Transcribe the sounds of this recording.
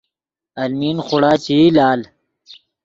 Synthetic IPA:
ɐlmiːnxʊɽaːt͡ɕiilaːl

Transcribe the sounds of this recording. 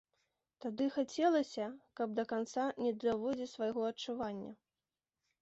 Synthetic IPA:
t̪ad̪ɨxat͡sʲɛlˠɐsʲɐkɐb̚d̪ɐkant̪sanʲɛd̪ɾavɔd͡zʲisvajɣɔɐt͡ʂuvanʲːɐ̰

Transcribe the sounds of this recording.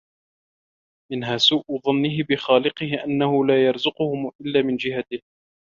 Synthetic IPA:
mɪnɦaːsuːʔʊðˤɑnːɪɦɪbɪxaːlɪqɨhɪʔanːahʊlaːjɑɾˤzʊqʊhʊmʔɪlːaːmɪnd͡ʒɪɦat̪ɪh

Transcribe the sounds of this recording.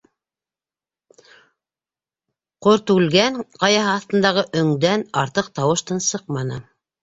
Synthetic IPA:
qoɾt̪ʉlɡæŋqɑjɑɦɤɑθt̪ɤ̆nd̪ɑʁɤʔɵ̆ŋd̪ænɑɾt̪ɤq̚t̪ɑwɤ̆ʃt̪ɤnsɤq̚mɑnɤ

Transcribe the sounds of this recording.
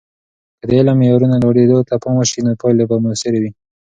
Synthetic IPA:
kəd̪əelamjɑɾunaloɽed̪ot̪apamaʃinopɑjlebamosɪɾewi

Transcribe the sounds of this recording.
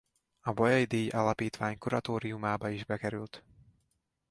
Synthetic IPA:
ɒbɒjɒjid̪eːjʔalɒpiːt̪ʋaːɲkuɾɒt̪oːɾiumaːbɒiʒbɛkɛɾylt̪

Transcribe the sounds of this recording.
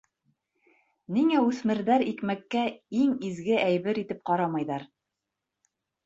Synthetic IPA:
niŋæʉθmɘ̆ɾðæɾikmækːæiŋizɡɘʔæjβɘɾit̪ɘp̚qɑɾɑmɑjðɑɾ

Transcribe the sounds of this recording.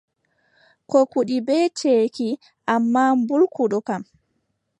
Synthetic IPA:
kɔkuɗibɛːt͡ʃeːki | ʔamːaːmbulkuɗɔkam

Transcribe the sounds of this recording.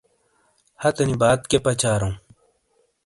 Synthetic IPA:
hɐt̪ɐnibaːt̪̚kepɐt͡ɕaːɾũ

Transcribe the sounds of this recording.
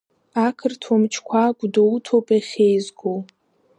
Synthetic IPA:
akʰɨrtʰwamt͡ʃʰkʷʰaɡʷdowtʰowpʼaχʲejzɡow

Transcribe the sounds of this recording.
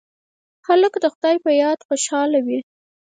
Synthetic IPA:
xaləkd̪əxʊd̪ɑjpəjɑd̪xoʃɑlawi

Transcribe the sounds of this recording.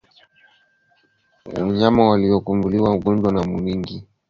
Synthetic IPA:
wa̰ɲamawaliɔkumbuliwauɠɔɲd͡ʒwanamuniŋɡi

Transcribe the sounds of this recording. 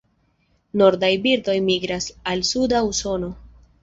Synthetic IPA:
no̞ɾdajbiɾdo̞jmiɡɾasalsudauso̞no̞

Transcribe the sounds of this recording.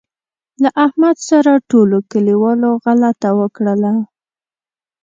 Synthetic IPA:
laʔahmad̪saɾaʈolokəliwɑloɣalat̪awəkɽəla

